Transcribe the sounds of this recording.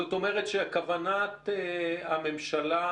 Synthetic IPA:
ot̪o̞meʁet̪ʃeakavanat̪eame̞mʃala

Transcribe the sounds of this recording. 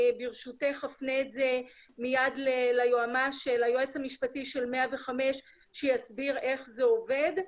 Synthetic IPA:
biʁʃuteχafneːtze | mijadlelajoamaʃelajoet͡samiʃpatiʃe̞lmeave̞χame̞ʃ | ʃejasbiʁe̞χzeo̞ve̞d

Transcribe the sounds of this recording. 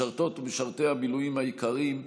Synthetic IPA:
aʁt̪o̞t̪beʃaʁt̪e̞jabilujimhaikaʁim

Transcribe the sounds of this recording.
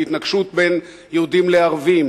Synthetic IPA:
it̪naɡʃut̪̚ben | jeud̪imleaʁvim

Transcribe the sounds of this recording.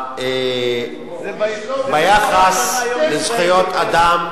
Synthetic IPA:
e | bajaχaslezχijot̪ʰad̪am

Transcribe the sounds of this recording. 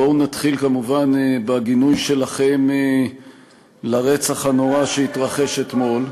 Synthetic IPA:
onat̪χilkamuvanbaɡinujʃe̞laχe̞me | laʁet͡saχhano̞ʁaʃeit̪ʁaχe̞ʃe̞t̪mo̞l

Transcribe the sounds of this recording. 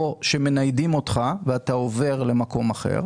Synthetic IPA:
oʃe̞me̞najdimo̞tχaveatao̞ve̞ʁle̞mako̞maχe̞̰ʁ

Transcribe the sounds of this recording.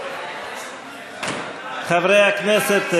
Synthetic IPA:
χavɾeaknɛsɛt̪

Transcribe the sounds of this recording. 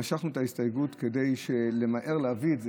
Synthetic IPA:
aʃaχnuet̪aistajɡutke̞de̞jʃe̞le̞maʔe̞ʁleavietz

